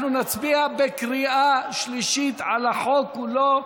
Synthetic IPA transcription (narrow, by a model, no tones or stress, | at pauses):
nunat͡sbiabekʁiʔaʃliʃit̪ʕalaħo̞kulo